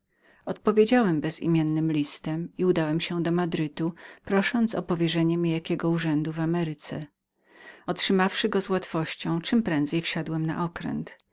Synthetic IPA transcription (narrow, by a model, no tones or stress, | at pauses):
ɔt̪̚pɔvʲjed͡ʑawɛmbɛzḭmʲjɛnːɘmlʲist̪ɛmiud̪awɛmɕɛd̪ɔmad̪ɾɘt̪upɾɔʂɔnt̪sɔ̰pɔvʲjɛʐɛɲɛmʲijakʲɛɡɔuʐɛnd̪uvamɛɾɘt̪sɛ̰ | ɔtʂɘmafʂɘɡɔzwat̪fɔɕt͡ɕɔ̃w̃t͡ʂɘmpɾɛ̃nd̪zɛjfɕad̪wɛmna̰ʔɔkɾɛ̰nt̪